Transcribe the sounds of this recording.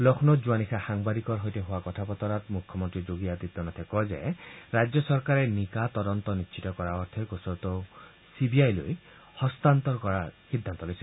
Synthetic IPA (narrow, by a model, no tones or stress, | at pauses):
lɔkʰnɔzuanixʰaxaŋbadikɔɹɦojtɛɦʊwakɔtʰapɔt̪ɔɾatmukʰjɔmɔntɹizoɡiatit̪ːɔnat̪ʰɛkɔzɛ̰ɹajd͡ʒjɔsɔɹkaɹɛnikat̪ɔdɔnt̪ɔnitːʃʰitɔkɔɹaɔɹt̪ʰɛɹkosɔɹt̪ɔ | sibiajlo̰j | hɔst̪ant̪ɔɹkɔɹaxidʱːant̪ɔlojsɛ